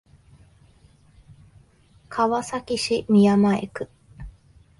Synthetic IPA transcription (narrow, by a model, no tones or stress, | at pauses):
kʰaβasakiɕimiamaekɯ